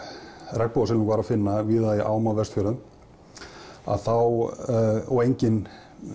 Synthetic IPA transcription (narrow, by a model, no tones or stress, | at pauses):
rɛk̚pɔwasɪlnukvaːɾafɪnːaviːðaiʔaːwmavɛst̪fʏːɾʏm | a̰ðθaw | ɔejɲcɪn